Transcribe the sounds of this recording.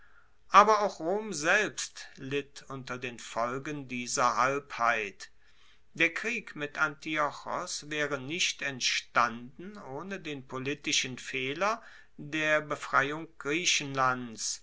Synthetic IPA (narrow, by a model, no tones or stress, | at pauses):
ʔaːbɐaʊxʁoːmzɛlpstlɪtʔʊntɐdeːnfɔlɡəndiːzɐɦalphaɪt | d̥eːɐkʁ̥iːkmɪtʰʔantiɔxɔ̰sv̥ɛːʁənɪʃtɛntʃtandn̩oːnədeːnpolitɪʃənfɛːlɐ | deːɐbəfʁ̥aɪʊŋɡ̥ʁiːʃənlants